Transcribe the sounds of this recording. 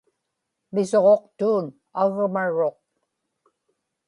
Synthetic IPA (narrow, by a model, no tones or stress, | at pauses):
mɪso̞ʁo̞qt̪uːn | aɣmaɻo̞q̚